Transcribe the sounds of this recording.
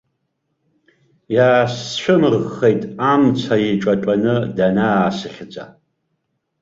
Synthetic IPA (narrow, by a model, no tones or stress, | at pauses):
jaːsʃʷᶣʊmɨrʁejtʼamt͡sʷʰajiʈ͡ʂʼaʈ͡ʂʷʼanɨdanaːsɨχʲd͡zʼa̰